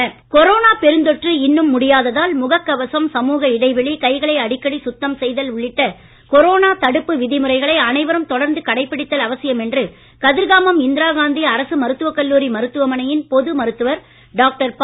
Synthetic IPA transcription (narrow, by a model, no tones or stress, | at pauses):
kɔɾoːnaːpɛɾɯnd̪ɔʈrɯɪnːɯmːʊɽɪjaːðɐðaːlmʊɣɐkːɐʋɐsɐmsɐmuːɣɐɪɽɐɪʋɛɭikɐɪɣɐɭɐɪɐɽɪkːɐɽisʊt̪ːɐmsɛjðɐlʊɭːɪʈːɐ | kɔɾoːnaːt̪ɐɽɯpːɯʋɪðɪmɯɾɐɪɣɐɭɐɪɐnɐɪʋɐɾɯmt̪ɔɽɐɾnd̪ɯkɐɽɐɪpːɪɽɪt̪ːɐlɐʋɐsɪjɐmɛndrɯ | kɐðɪɾɣaːmɐmɪnd̪ɪɾaːɣaːnd̪iɐɾɐsɯmɐɾɯt̪ːɯʋɐkːɐlːuːɾimɐɾɯt̪ːɯʋɐmɐnɐjɪnpɔðɯmɐɾɯt̪ːɯʋɐɾ | ɖaːk̚ʈɐɾp